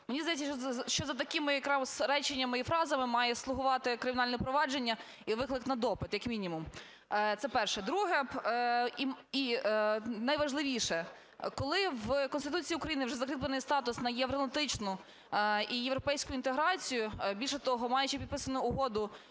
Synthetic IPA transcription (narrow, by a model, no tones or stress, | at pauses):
menʲizd̪ɐjɛtʲt͡sʲːɐʃt͡ʃɔzɐt̪ɐkɪmɪjɐkɾɑsɾɛt͡ʃenʲːɐmɪifɾɑzɐmɪmɑjɛslˠʊɦʊʋɑt̪ɪkɾɪmʲnɑlʲnɛpɾɔʋɑd͡ʒenʲːɐ | iʋɪklˠɪknɐd̪ɔpɪt̪jɐkmʲinʲimʊm | t̪sɛpɛrʃɛd̪ɾuɦɛ | ii | nɐjʋɐʒlˠɪʋʲiʃɛ | kɔlˠɪʋkɔnst̪ɪt̪ut͡sʲiiːʊkɾɐjinɪwʒɛzɐkɾɪkplˠenɪjst̪ɑt̪ʊsnɐjeʋɾɔnˠɐt̪ɪt͡ʃnʊ | ijeʋɾɔpɛjsʲkʊint̪eɦɾɑt͡sʲijʊbʲilʲʃɛt̪ɔɦɔmɑjʊt͡ʃipʲid̪̚pɪsɐnʊːɦɔd̪ʊ